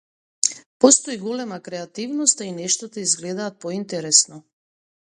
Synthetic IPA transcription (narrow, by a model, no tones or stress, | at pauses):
pɔst̪ɔiɡɔlɛmakɾɛat̪ivnɔst̪ainɛʃt̪ɔt̪aizɡlɛd̪aːt̪̚pɔint̪ɛɾɛsnɔ